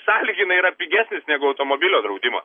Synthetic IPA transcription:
sɑːlʲiɡʲɪnɐɪiɾɐpʲiɡʲæːsʲnʲɪsnʲæːɡʊɐʊt̪omoːbʲɪlʲoːd̪ɾɐʊd̪ʲɪmɐ̰ː

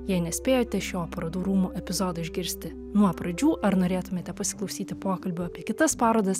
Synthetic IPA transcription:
jɛɪnʲɛsʲpʲeːjoːt̪ʲɛʃʲoːpɾɐd̪uːɾuːmuːʔɛpʲɪzoːd̪ɐɪʒʲɡʲɪɾʲsʲt̪ʲɪ | nuɔpɾɐd͡ʒʲuːʔɐɾnoːɾʲeːt̪ʊmʲeːt̪ʲɛpɐsʲɪ̥klˠɐʊsʲiːt̪ʲɪpoːkɐlʲbʲʊɑːpʲiɛkʲɪt̪ɐspɑːɾoːd̪ɐs

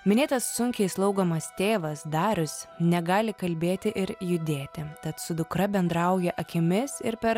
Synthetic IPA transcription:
mʲɪnʲeːt̪ɐsːʊŋʲkʲɛɪslˠɐʊɡomɐst̪ʲeːʋɐsd̪ɑːɾʲʊsnʲɛɡɑːlʲɪkɐlʲbʲeːt̪ʲɪʔɪɾjʊd̪ʲeːt̪ʲɪt̪ɐt̪sʊd̪ʊkɾɐbʲɛnd̪ɾɐʊjɛʔɐkʲɪmʲɪsɪɾpʲɛɾ

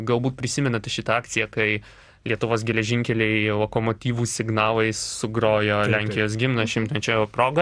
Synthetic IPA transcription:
ɡɐlˠbuːt̪̚ʲpʲɾʲɪsʲɪmʲɛnɐt̪ʲɪʃʲɪt̪ɐɑːk̚t̪sʲɪjɛkɐɪ | lʲiɛt̪ʊʋoːsɡʲɛlʲɛʒʲɪŋʲkʲɛlʲɛɪlˠoːkomoːt̪ʲiːʋuːsʲɪɡnɑːlˠɐɪssʊɡɾoːjoːlʲæŋʲkʲɪjoːs̬ɡʲɪmnɐʃʲɪmt̪ɐnʲt͡ʃʲɛːjopɾoːɡɐ

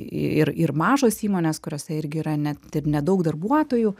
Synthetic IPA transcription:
ɪ̰ɪɾɪɾmɑːʒoːsiːmoːnʲeːskʊɾʲoːsʲɛɪɾʲɡʲɪiːɾɐnʲɛt̪ɪrnʲɛd̪ɐʊkd̪ɐrbuɔt̪oːju

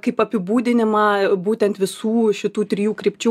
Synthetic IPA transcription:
kɐɪpɐpʲɪbuːd̪ʲɪnʲɪmɑːbuːt̪ʲɛnt̪ʋʲɪsuːʃʲɪt̪uːt̪ʲɾʲɪjuːkɾʲɪpʲt͡ʃʲʊ

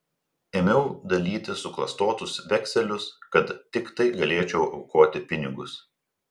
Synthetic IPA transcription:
eːmʲɛʊd̪ɐlʲiːt̪ʲɪsʊklˠɐst̪oːt̪ʊsʋʲɛkʲsʲɛlʲʊskɐt̪ːʲɪkt̪ɐɪɡɐlʲeːt͡ʃʲɛʊʔɒʊkoːt̪ʲɪpʲɪnʲɪɡʊs

